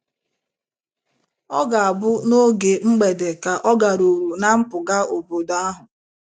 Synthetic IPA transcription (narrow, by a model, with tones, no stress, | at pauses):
ɔ˦ɡa˨a˨bʊ˦no˦ɡe˨ŋ͡m̩˦ɡ͡be˨de˨ka˨ʔɔ˦ɡa˨ɾu˨ɾu˨na˦m̩˦pʊ˨ɡa˦o˨bo˨da˦ɦʊ˨